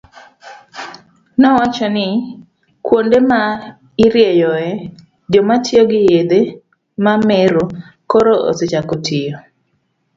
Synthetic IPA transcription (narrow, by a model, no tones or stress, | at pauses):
nɔwat͡ʃɔnɪ | kwondema | ɪɾjejɔɛ | d͡ʒɔmatjoɡɪjed̪e | mameɾo | koɾoʔo̰set͡ʃakotʰɪjo